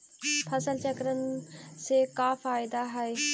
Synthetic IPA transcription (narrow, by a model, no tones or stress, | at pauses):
pʰəsəlt͡ʃəkɾənsekaːfʰaːɪd̪aːɦɐeː